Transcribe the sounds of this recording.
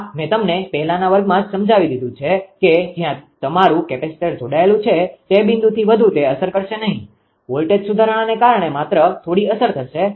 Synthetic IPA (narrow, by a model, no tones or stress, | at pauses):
mɛ̃t̪əmnepɛɦɛlanaʋəɾɡmãd͡ʒsəmd͡ʒaʋid̪id̪ʱũt͡ʃʰeked͡ʒjãt̪əmaɾũkɛpesi̥ʈeɾd͡ʒoɽaelũt͡ʃʰet̪ebĩnd̪ut̪ʰiʋəd̪ʱũt̪eəsəɾkəɾʃenəɦĩ | ʋolʈeʈsud̪ʱaɾəɽ̃anekaɾɳ̃emat̪ɾət̪ʰoɽiəsəɾt̪ʰəʃe